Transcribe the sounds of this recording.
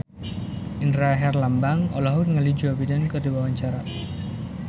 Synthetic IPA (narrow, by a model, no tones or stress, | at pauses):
indɾaɦɛrlambaŋɔ̰laɦurŋalid͡ʒuabidankɨrdiwawaɲt͡ʃaɾa